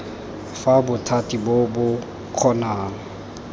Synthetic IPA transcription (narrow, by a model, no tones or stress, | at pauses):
fabʊtʰatʼibobʊ | q͡χʰɔnaːŋ̩